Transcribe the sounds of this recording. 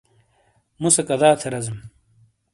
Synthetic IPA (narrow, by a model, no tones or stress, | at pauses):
musɐkɐd̪aːt̪ʰɐɾɐzm